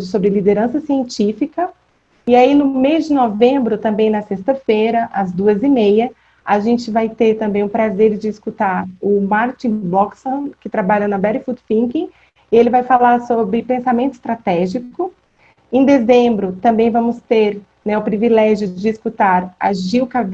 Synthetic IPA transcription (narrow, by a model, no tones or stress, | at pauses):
d͡ʒʊsobɾɪlid̪eɾɐ̃sɐsiẽnt͡ʃifikɐ | ɪainʊmezd͡ʒɪnovẽmbɾʊt̪ɐ̃mbẽj̃nɐsest̪ɐfejɾɐʔɐzd̪uɐzɪmejɐ | aʒẽt͡ʃɪvajt̪eɾt̪ɐ̃mbẽj̃ʊpɾazeɾd͡ʒɪːskut̪aɾʊmaɾt͡ʃĩbɔksɐ̃kɪt̪ɾabaʎɐnɐbɛɾɪfut̪fĩkĩ | ɪelɪvajfalaɾsobɾɪpẽsamẽnt̪ʊɪ̥st̪ɾat̪ɛʒikʊ | ẽd̪ezẽbɾʊt̪ɐ̃mbẽj̃vɐ̃mʊst̪eɾ | nɛʊpɾivilɛʒjʊd͡ʒɪːskut̪aɾɐ̰ʒiwka